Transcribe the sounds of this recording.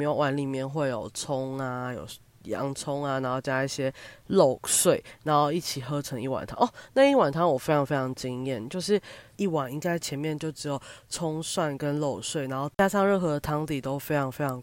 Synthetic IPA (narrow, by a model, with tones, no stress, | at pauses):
m˧˥jo˨˩ʊwa˨˧˥nli˨˩mjɛ˥˧nxwe˥˩ɪjo˨˩ʊt͡sʰʊ˦ŋa˨˩jo̰˨˩ʊ | jɑ̰˧˦ŋt͡sʰʊ˥ŋa˨na˨˧˥nxo˥˧ʊt͡ɕja˦˥i˥˩ɕjɛ˦˥lo˥˩ʊswe˥˩ɪna˧˥nxo˥˧ʊi˥˩t͡ɕʰi˨˩xɤ˥˦ʈ͡ʂʰɤ˧˥ŋi˥˩wa̰˨˩nt̪ʰɑ̰˧˦ŋʔɔ˧˩na˥˧i˥˩wa˨˩nt̪ʰɑ˧˥ŋwɔ˨˩fe˥ɪʈ͡ʂʰɑ˧˥ŋfe˥ɪʈ͡ʂʰɑ˧˥ŋ˧t͡ɕi˥ŋjɛ˥˩nt͡ɕjo˥˧ʊʂɻ̩˥˩i˥˩wa˨˩ni˥ŋka˥ɪt͡ɕʰjɛ˧˥nmjɛ˥˧nt͡ɕjo˥˩ʊʈ͡ʂɻ̩˧˥jo˨˩ʊt͡sʰʊ˥ŋswa˥˨nkə˦nlo˥˩ʊswe˥˩ɪna˧˥nxo˥˧ʊt͡ɕja˥ʂɑ˥˧ŋɻə˥˩nxɤ˧˥d̪ə˧t̪ʰɑ˧˥ŋt̪i˨˩t̪o˥ʊfe˥ɪʈ͡ʂʰɑ˧˥ŋfe˥ɪʈ͡ʂʰɑ˧˥ŋ